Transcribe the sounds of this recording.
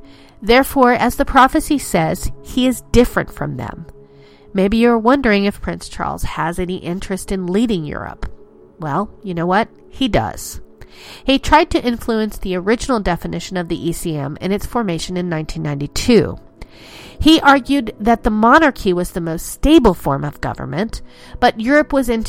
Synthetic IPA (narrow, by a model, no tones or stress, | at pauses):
ðɛɹfɔɹʔɨzðəpʰɹ̥ɑfɨsisɛz̥hiɨzdɪfɹɨ̰̃ntfɹʌ̰̃mðɨ̰̃mː | eɪbijə˞wʌ̃ndə˞ɪ̃ŋɨfpʰɹ̥ɪ̃nst͡ʃʰɑ̰ɹlˠz̥əzɛniʔɪ̃nt͡ʃɹ̥ɨstɨ̃nliɾɪ̃ŋjʊ̰ɹə̰p | wɛlˠjɨnoʊwʌt̚ | hidʌ̰z̥ | hitʰɹ̥aɪd̚tʰɨʔɪ̃ɱfluɨ̃nsðiə˞ɪd͡ʒɨnl̩ˠdɛfɨnɪʃɨ̃nʌvðiʔisiɛ̰̃mɨ̰̃nɨtsfɔɹmeɪʃɨ̃nɨ̃nːãɪ̃ntʰĩnːãɪ̃ntitʰʉ̰ | iʔɑɹɡjʉd̪̚ðɨt̪̚ðəmɑnɑɹkʰiwʌzðɨmoʊststeɪbl̩ˠfɔ̰ɹmʌvɡʌ̰və̰˞mɨ̃n | b̥ʌt̚jʊɹɨpwʌzɪ̃n